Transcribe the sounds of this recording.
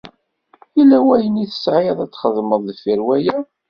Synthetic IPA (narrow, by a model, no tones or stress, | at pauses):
ilːæwæjəniθə̥sʕiðˤæt͡sːχəðˤməðˤðəfiɾwæjæ